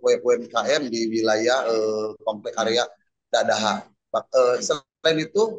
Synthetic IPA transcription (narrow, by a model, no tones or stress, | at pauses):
oɛʔoɛmkaʔɛmdiwilajaəpamplɛkaɾeaʔ | dadaɦa | baəsə | ainit̪u